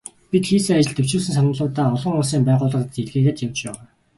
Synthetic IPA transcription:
pit̪xiːsɘ̆ŋat͡ɕɪ̆ɮt̪ɵw̥t͡ɕuːsɘ̆ŋs̬anʊ̆ɮʊːt̪aːɔɮɞ̆ŋʊsiːmpæːʁʊːɮə̆t̪iɮɣeːɣeːt̪jawt͡ɕpæːwaː

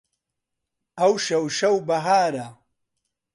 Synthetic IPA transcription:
ɐwʃɐwʃɐwbɐɦaːɾɐ

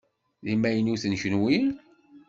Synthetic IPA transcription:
limæjənuθənçənwi

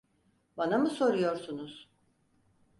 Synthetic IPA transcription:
banamɯso̞ɾujo̞ɾsunuz̥

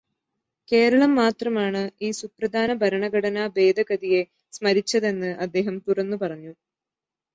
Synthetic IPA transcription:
ke̞ːɾɐɭɐmːaːt̪rɐmaːɳɨiːsuprɐd̪ʱaːnɐbʱɐɾɐɳɐɡɐɽɐnaːbe̞ːd̪ɐɡɐd̪ije̞ | smɐɾit͡ɕːɐðe̞nːɨʔɐd̪ːe̞ːɦɐmt̪urɐnːupɐrɐɲːu

